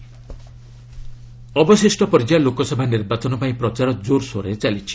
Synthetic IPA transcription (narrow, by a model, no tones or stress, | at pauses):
ɔbɔsisʈɔpɔɾd͡ʒalokɔsɔbʱaniɾbat͡ʃɔnɔpaĩpɾɔt͡ʃaɾɔd͡ʒoɾsoɾet͡ʃalit͡ʃʰi̥